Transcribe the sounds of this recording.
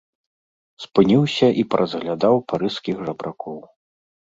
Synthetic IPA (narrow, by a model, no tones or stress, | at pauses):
spɨnʲiwsʲɐʔipɐɾʔɐzɣlʲad̪awpaɾɨskʲixʐɐbɾʔakɔw